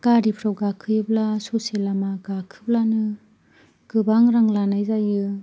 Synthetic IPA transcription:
ɡ̥aɾipʰɾɔɡakʰɯjblasoselamaɡakʰɯblanɯ | ɡ̥ɯbaŋɾaŋlanajzajɯ

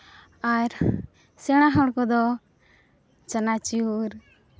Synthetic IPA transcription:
aɾ | sɛɽ̃aɦɔɽkɔd̪ɔ | t͡ʃənat͡ʃiuɾ

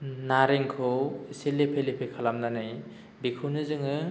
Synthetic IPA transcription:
naɾeŋkʰɯwiselepʰelepʰekʰalamnanɯj | bikʰunɯzɯŋɯ

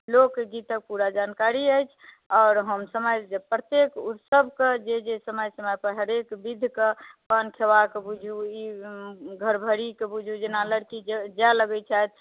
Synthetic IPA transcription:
lokːɡit̪ək̚puɾad͡ʒankaɾiəjt͡ʃʰ | ɔʊɾɦəmsəməjd͡ʒpɾət̪ekut̪səbʱked͡ʒed͡ʒesəməjsəməjpəɾɦəɾekbid̪ʱkepənkʰeʋakebud͡ʒʱui | ɡʱəɾbʱəɽikebud͡ʒʱud͡ʒenaləɽkid͡ʒaləɡɛt͡ʃʰajt̪̚

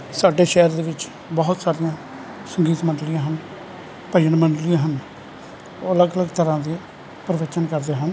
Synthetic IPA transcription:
saːɖeːʃɛːɾd̪eːʋɪt͡ʃ | bɔːʊt̪saːɾijãː | səŋɡiːt̪məɳɖlɪjãːɦən | pəjəɳməɳɖlijãːɦən | oələɡələɡt̪əɾãːd̪iː | pəɾəʋət͡ʃənkəɾd̪eːɦən

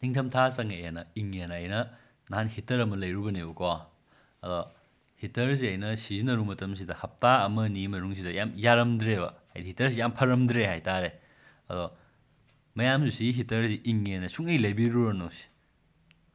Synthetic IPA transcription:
niŋtʰɐmtʰasɐŋejenɐiŋenɐːjnɐ | naɦanhitɐɾɐmɐlɐjɾubɐneukɔ | ɐdɔ | hitɐɾsiɐjnɐsizinɐɾumɐtɐms̬idɐhɐp̚taɐmɐnimɐɾuŋsidɐjamjaɾɐmdɾebɐ̰hajdhitɐɾsijampʰɐɾɐmdɾeɦajtaɾe | ɐ̰dɔ | mɐjamzusiɦitɐɾsiʔiŋenɐsuŋejlɐjbiɾubɐnowsi̥

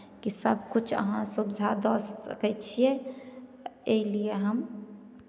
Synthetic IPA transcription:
kisəb̚ʱkʊt͡ʃʰə̰ɦãsubd̪ʱad̪ɔːsə̰kɛt͡ʃʰie | elieɦəm

